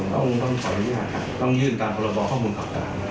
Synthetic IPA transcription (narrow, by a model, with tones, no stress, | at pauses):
t̪ɔ̰˥˩ŋt̪ɔ˥˩ŋkʰɔ˨˦lɯ˧˥ɲaː˥˩kʰa˦˥p̚t̪ɔ˥˩ŋjɯː˥˩nt̪aː˧mpʰɔ˧ɾa˧bɔː˧kʰɔ˥˩muː˧nk̪ʰa˨˩p̚t̪a̰ː˨˩ŋ